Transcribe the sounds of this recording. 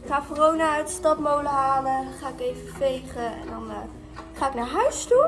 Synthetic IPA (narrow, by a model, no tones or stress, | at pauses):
ɪχaːfɔrownaœɥtəstɑtmowləɦaːləχaːɪkejvəfejχəɛ̰ndɑn | χaːɪknaːɹɦœɥstu